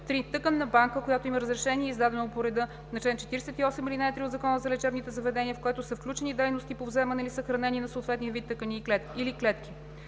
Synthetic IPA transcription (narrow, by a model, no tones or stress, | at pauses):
t̪ɾit̪ɤkənːɐbaŋkəkojat̪oiməɾəzɾɛʃɛniɛizd̪ad̪ɛnopoɾɛd̪ɤ | nɐt͡ʃɛnt͡ʃɛ̥t̪iɾɛsɛt̪iɔsɛmilinɛɛt̪ɾiʊzɐkɔnəzɐlɛt͡ʃɛɾnit̪ɛzɐvɛd̪ɛnʲiəfkoɛt̪osəfklʲut͡ʃɛnid̪ɛjnost̪ipovzɛmɐnɛlisəxɾɐnɛninɐsoːt̪vɛt̪nijəvit̪ːɤkəniːklɛt̪iliklɛt̪kʲi̥